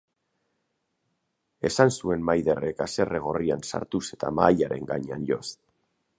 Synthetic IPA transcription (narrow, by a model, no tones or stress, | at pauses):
e̞sansue̞nmajðe̞re̞kase̞re̞ɣ̞o̞riansa̰ɾt̪use̞t̪a̰maːjaɾe̞̰ŋɡaɲeanʎo̞s